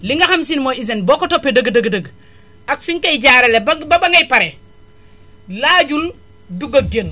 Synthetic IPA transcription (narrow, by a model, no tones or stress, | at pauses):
liŋɡaxamsinmois̬enbokotopːedəɡdəɡdəɡ | akfiŋkajd͡ʒaɾelebababaŋɡajpaɾe | laɟul | duɡaɡen